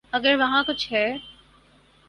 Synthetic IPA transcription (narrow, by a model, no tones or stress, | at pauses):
ɐɡəɾʋɐɦãkʊt͡ʃʰɦɛː